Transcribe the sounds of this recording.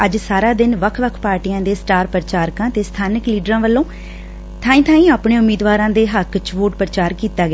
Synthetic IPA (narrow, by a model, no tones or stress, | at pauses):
əd͡ʒsaːɾaːd̪ɪnʋəkʰʋəkʰpaːɾʈiːjãːd̪eːsʈaːɾpəɾət͡ʃaːɾkãːt̪eːst̪ʰaːnɪkliːɖɾãːʋəlːõː | t̪ʰãːĩːt̪ʰaːĩːaːpɳeːʊmiːd̪ʋaːɾãːd̪eːɦəkt͡ʃʋoːʈpɾət͡ʃaːɾkiːt̪aːɡː